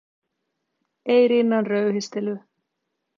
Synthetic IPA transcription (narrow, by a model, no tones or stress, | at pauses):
eːjɾinːanrœːwɦɪst̪ɛlʏ